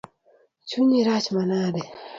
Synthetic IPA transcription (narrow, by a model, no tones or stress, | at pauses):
t͡ʃʰuɲiɾat͡ʃmanaɾe